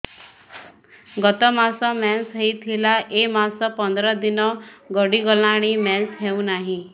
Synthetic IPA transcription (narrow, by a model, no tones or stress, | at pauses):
ɡɔt̪ɔmasɔmɛnsɦəit̪ʰilaʔemasɔpɔnd̪ɾɔd̪inɔɡɔɽiɡɔlaɽ̃imɛnsɦeũnaɦĩ